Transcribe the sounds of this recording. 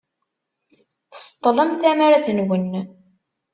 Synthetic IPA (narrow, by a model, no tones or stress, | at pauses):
θə̥st̪ˤːləmt̪æmaɾaθənwən